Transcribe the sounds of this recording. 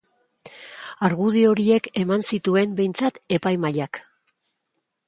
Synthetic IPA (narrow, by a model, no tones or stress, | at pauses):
aɾɣuð̞io̞ɾie̞ke̞mansit̪ue̞mbe̞jnt͡sat̪e̞pajmaʎak